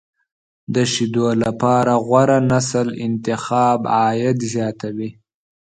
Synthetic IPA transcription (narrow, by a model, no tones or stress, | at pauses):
d̪əʃid̪olapɑɾaɣwaɾanasəlɪnt̪ɪxɑːbɑːjat̪zjɑt̪awi